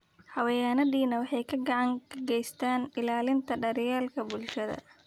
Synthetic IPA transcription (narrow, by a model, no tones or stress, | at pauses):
hɐwɐjaːnɐðiːnɐwɑħɑjkʰɐɡɑʕɑŋkʰɡɛjst̪ʰaːnɪlaːlɪnt̪ʰɐɖɐɾɪjaːlkʰɐbʊlʃɐðɐ̰